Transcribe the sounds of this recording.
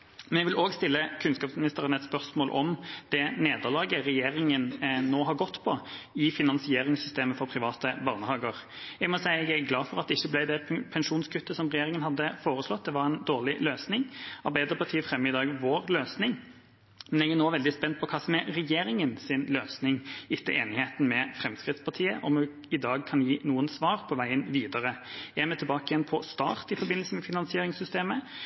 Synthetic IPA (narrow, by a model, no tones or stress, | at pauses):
mɛnɛɡʋɪloːɡst̪ɪlːəkʰʉnskɑːpsmɪnɪst̪əʁənɛt̪spœʁsmoːlʔɔmd̪̥ɛneːd̪əʁlɑːɡəɾɛjeːɾɪŋənnoːɦɑɾɡɔt̪ːpʰɔɪfɪnɑnsɪeːɾɪŋsʏst̪eːməfɔɾpʰɾɪʋɑːt̪əbɑːʁnəhɑːɡəɾ | jæɡmɔsæɪəɛɡæɡlɑːfɔʁɑt̪̚d̪ɛɪçːəblæɪd̪ɛpʰɛnʂuːnskʰʉt̪ːəsɔmɾɛjeːɾɪŋənhɑd̪ːəfoːɾəslɔt̪̚ːd̪ɛʋɑɾɛnd̪oːʁlɪløːsnɪŋɑɾbæɪd̪əɾpɑʁt̪ʰiːəfɾɛmːɪd̪ɑːɡʋoːɾløːsnɪŋ | mɛnɛɡænoːʋɛld̪ɪspɛnt̪̚pʰɔkʰɑsmɛɾɛjeːɾɪŋənsɪnløːsnɪŋɪt̪ːəʔeːnɪheːt̪n̩mɛfɾɛmskʁɪt̪spʰɑʁt̪ʰiːəʔɔmʉ | ɪd̪ɑːɡ̚kʰɑnjiːnuːənsʋɑːʁpʰɔʋæɪənʋiːd̪əɾəææmɛt̪ʰɪbɑːkəɪjɛnpʰɔst̪ɑ̰ːʁt̪ɪfɔɾbɪnːlsəmɛfɪnɑnsɪeːɾɪŋsʏst̪eːmə